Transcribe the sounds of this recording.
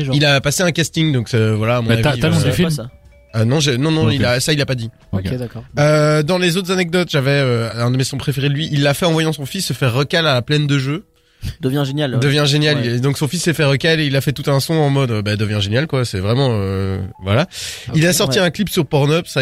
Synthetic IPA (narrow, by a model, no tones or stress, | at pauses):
ilapaseɛ̃kast̪iŋd̪ɔ̃ksɛvwalaːmɔ̃naviakɔ̃d̪yfi | ønɔ̃ʒenɔ̃nɔ̃ilasailapad̪i | d̪akɔød̪ɑ̃lezot̪χzanɛk̚d̪ɔt̪ʒavɛøɛ̃d̪əmesɔ̃pχefeʁelɥiʔilːafɛɑ̃vwajɑ̃sɔ̃fisːəfɛʁəkalaplɛnd̪əʒø | d̪əvjɛ̃ʒenjald̪əvjɛ̃ʒenjalid̪ɔ̃ksɔ̃fisːɛfɛʁəkaleilafɛt̪ut̪ɛ̃sɔ̃ɑ̃mɔd̪øbad̪əvjɛ̃ʒenjalkwasɛvʁɛmɑ̃øvwalailasɔʁt̪iɛ̃klipsyʁpɔʁnɔpsa